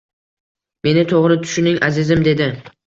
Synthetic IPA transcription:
me̞nɪt̪ʰoʁɾɪt̪ʰʊ̥ʃɪnɪŋʲʔazɪzɪmd̪e̞d̪ɪ

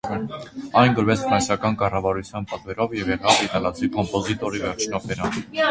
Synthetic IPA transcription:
ɑjnɡɔɾvɛt͡sfɾɑnsjɑkɑnkɑrɑvɑɾut͡sʰjɑnpɑt̪vɛɾɔvjɛvjɛʁɑd̪inɑlɑt͡sikɔmpɔzit̪ɔɾivɛrt͡ʃʰnɔp̪ʰɛɾɑn

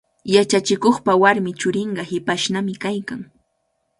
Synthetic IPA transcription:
jat͡ʃat͡ʃɪkoχpawaɾmɪt͡ʃʊɾɪɴɢɑhɪpaʃnamɪkajkaŋ

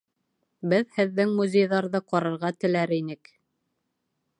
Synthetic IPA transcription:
bɘðhɘ̆ðːɘŋmuzʲejðɑɾðɤqɑɾɤ̆ɾʁɑt̪ɘ̆læɾinɘk

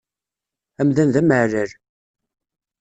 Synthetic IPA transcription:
æmðænðæməʕɾəɾ

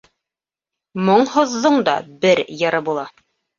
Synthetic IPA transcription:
moɴhŏðːɤɴd̪ɑ̰bɘɾjɤ̆ɾɤbulˠɑ

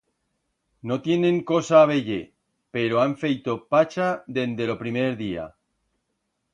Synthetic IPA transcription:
no̞t̪je̞nẽ̞ŋko̞saːβ̞e̞ʝe | pe̞ɾoaɱfejt̪o̞pat͡ʃaðe̞nd̪e̞lo̞pɾimeɾðia̰

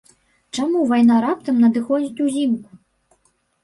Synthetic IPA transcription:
t͡ʂamuvajnaɾap̚t̪ɐmnɐd̪ɨxɔd͡zʲit͡sʲuzʲimku̥

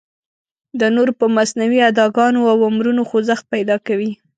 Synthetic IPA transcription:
d̪ənoɾpəmasnawiad̪ɑɡɑnoawamɾunoxozaxt̪̚pajd̪ɑkawi

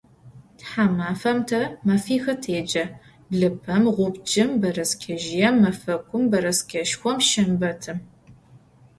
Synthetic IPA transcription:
tħamaːfɐmtʰɐmɐfiːxɐtʰeːd͡ʒɐ | ɮɨpʰɐmʁʷʊbd͡ʒɪmbɐɾɐskʲʰɐʒɪjɛmːɐfɐkʷʰʼʊmbɐɾɐskʰʲɐʃxʷɔmʃɪmbɐtʰɨm

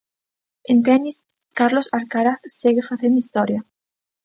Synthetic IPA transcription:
ent̪enis | kaɾlo̞saɾkaɾaθseɣefaθend̪ist̪oɾja

